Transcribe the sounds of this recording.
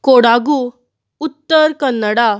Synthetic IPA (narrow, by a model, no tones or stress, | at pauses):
koɽaɡu | ut̪ːəɾkənːəɽa